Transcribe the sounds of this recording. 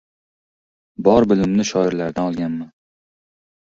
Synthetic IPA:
bɒɾbɪlɪmnɪʃɒɪɾlaɾd̪anɒlˠɡʲanman

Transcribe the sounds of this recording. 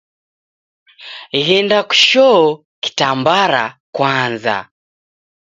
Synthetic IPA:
ɣɛndaku̥ʃɔɔ | ki̥tambaɾa̰kwanza̰

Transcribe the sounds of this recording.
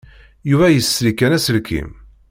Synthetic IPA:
juvæjəsːɾikːænæsəlkḭm

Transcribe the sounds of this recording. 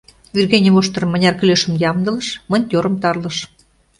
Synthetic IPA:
vyrɣenʲimoʃt̪ɤ̆rmːə̆nʲɑrkyløʃə̆mjɑmd̪ɤ̆lɤ̆ʃmə̆nʲt̪ʲoɾə̆mt̪ɑrlɤ̆ʃ

